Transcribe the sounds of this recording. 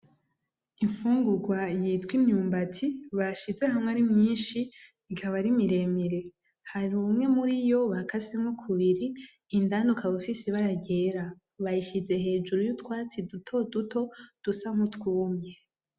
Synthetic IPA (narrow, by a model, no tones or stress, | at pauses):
iɱfuːŋɡuɡwajiːtkwimɲuːmbatʰiβaʃize̞hamŋeaɾimɲiːnʃiː | kʰaβaɾimiɾe̞meɾe̞ | haɾiumŋe̞muɾijo̞βakʰasimŋukʰuβiɾiː | ndanukʰaβufisiβaɾaɟe̞ɾa | βajiʃize̞ɦe̞ːd͡ʒuɾujutkwaːt͡sidutʰo̞duto̞d̥usamutkuːmɲe